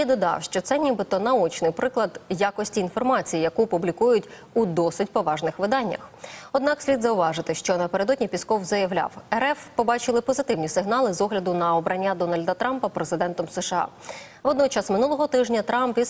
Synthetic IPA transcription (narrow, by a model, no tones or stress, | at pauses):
id̪ɔd̪ɑ̰wʃt͡ʃɔt̪sɛnʲibɪt̪ɔnɐut͡ʃnɪjpɾɪklˠɐd̪jakɔsʲtʲiːn̪fɔrmɑt͡sʲijijɐkupʊblʲikujʊtʲ | ud̪ɔsɪt̚ʲpɔʋɑʒnɪxʋɪd̪ɑnʲːɐ̰xɔd̪nɑksʲlʲid̪zɐʊʋɑʐɪt̪ɪʃt͡ʃɔnɐpeɾed̪ɔdʲnʲipʲiskɔwzɐjɐʋlʲa̰wɛɾɛfpɔbɑt͡ʃɪlˠɪpɔzɪt̪ɪwnʲisɪɦnɑlˠɪzɔɦlʲɐd̪ʊnɐɔbɾɐnʲːad̪ɔnɐlʲd̪ɐt̪ɾɑmpɐpɾezɪd̪ɛnt̪ɔmseʃɐɑ̰ | ʋɔd̪nɔt͡ʃɑsmɪnulˠɔɦɔt̪ɪʒnʲɐt̪ɾɑmpi